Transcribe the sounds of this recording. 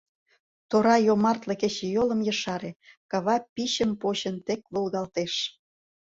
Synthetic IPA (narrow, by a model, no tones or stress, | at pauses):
t̪oɾɑjomɑrt̪leket͡ɕejolə̆mjəʃɑɾekɑβɑpiɕəmpot͡ɕə̆nt̪ek̚βulɣɑlt̪eʃ